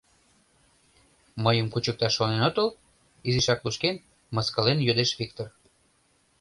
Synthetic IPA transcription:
məjəmkut͡ɕək̚t̪ɑʃːonenot̪əl | iziʃɑkluʃken | mɤskəlenjød̪eʃβʲik̚t̪or

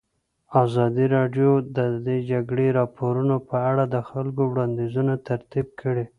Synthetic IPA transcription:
ɑzɑd̪iɾɑɖjod̪əd̪ed͡ʒaɡɽeɾɑpoɾunopəaɽad̪əxalkowɽɑnd̪izunat̪aɾt̪ib̚kʰəɽe

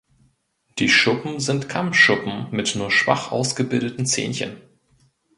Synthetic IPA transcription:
d̥iːʃʊpm̩zɪntkʰamfʃʊpm̩mɪtnuːɐʃv̥a̰χʔa̰ʊsɡ̥əbɪldətn̩t͡sḛːnçə̰n

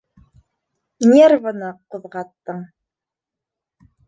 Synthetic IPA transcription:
nʲervanɤqɤ̆ðʁɑt̪ːɤɴ

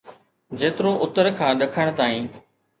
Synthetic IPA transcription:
d͡ʑeːt̪ɪɾoʔʊt̪əɾkʰãːɗɐkʰəɽ̃t̪aːĩː

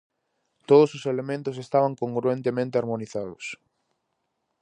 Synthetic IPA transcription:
t̪oðʊsʊselemẽnt̪ʊs̬est̪aβaŋkoŋɡɾuent̪emẽnt̪eaɾmoniθaðʊs

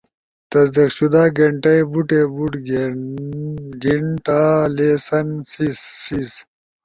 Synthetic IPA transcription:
t̪ɐsd̪iqɕud̪aːɡeɳʈɐjbuʈebuʈɡ | ɡiɳʈaːleːsɐnsisis

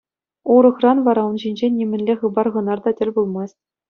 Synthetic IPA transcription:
uɾɤ̆χrɑnʋɑɾɑunʑinʲd͡ʑenʲːimʲɘ̆nʲlʲeχɯbɑrʁɤ̆nɑrd̪ɑtʲɘ̆lʲbulˠmɑsʲtʲ

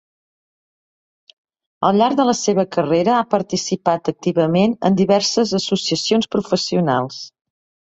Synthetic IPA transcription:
əlˠʎaɾɡ̚d̪ələseβəkəreɾəapəɾt̪isipat̪ək̚t̪iβəmenə̰nd̪iβɛɾsəzəsusiəsionspɾufəsiuna̰lˠs

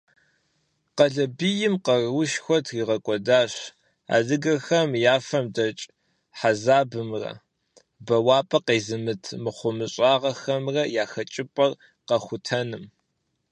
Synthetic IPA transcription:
qɐɮɐbijɪmqɐrwʊʃxʷɔtʰriːʁɐkʷʼɔdaːɕ | a̰ːdɨɡɐxɐmjaːfɐmdɐt͡ʃʼ | ħazaːbɨmrɐ̰ | bɐwaːpʼɐqeːzɨmɨtʰmɨχʷʊmɨɕʼɑːʁɐxɐmrɐjaːxɐt͡ʃʼɪpʼɐr | qɐxʷʊtʰɐnɨm

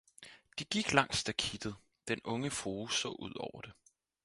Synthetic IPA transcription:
d̥iɡ̥iɡ̥lɑ̈ŋ̰sd̥ækʰid̥ð̩ˠ | d̥enɔ̽ŋəfʁoːsɔ̰̽ːʔuð̞̰ˠɒʊ̰ɐd̥e̝

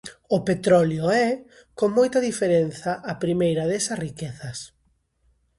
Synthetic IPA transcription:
ʊpet̪ɾɔljoɛ | koŋmojt̪ɐðifeɾen̟θɐʔapɾimejɾɐðɛsɐsrikeθɐs

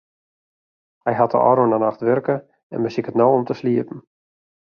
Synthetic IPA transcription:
hɛjɦatə̰ɔ̰ɾoənanaxtʋørkə | ɛ̰nməsikətnowɔmtəsliəpn̩

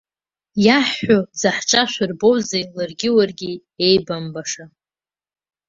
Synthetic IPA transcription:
jaħːʊd͡zaħt͡ʃʼaʃʷʊrbo̞wzejlarɡʲɪwarɡʲi | ejbambaʂa

